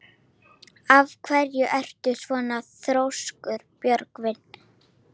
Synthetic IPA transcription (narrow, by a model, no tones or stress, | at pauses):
avkʰvɛɾjʏʔɛr̥t̪ʏsvɔːnaθɾowskʏɾpjœɾkvɪn